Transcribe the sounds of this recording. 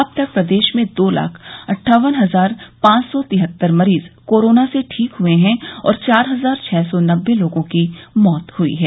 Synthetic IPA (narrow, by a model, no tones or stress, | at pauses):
ɐb̚t̪ɐk̚pɾɐd̪eːʃmẽd̪oːla̰ːkʰɐʈʰːaːʋənɦɐzaːɾpãːt͡ʃsɔt̪ɪɦət̪ːəɾmɐɾiːzkoːɾoːnaseʈʰiːkɦʊeɦɛ̃ɔ̰ːɾt͡ʃaːɾɦɐzaːɾt͡ʃʰɛːsɔnɐbːeloːɡõkimɔːt̪hʊḭɦɛː